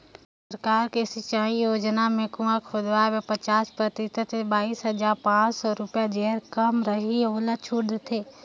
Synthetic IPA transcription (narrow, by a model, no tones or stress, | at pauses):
ssəɾkaːɾkesɪt͡ʃaːijoːd͡ʒnamẽkuakʰod̪waʋepət͡ʃaːspɾət̪ɪt̪ət̪ebaːiːsɦəd͡ʒaːɾpãːt͡ʃsɔɾʊpjad͡ʒeəɾkəmɾəɦiʊlət͡ʃʰuːɽd̪t̪ʰeː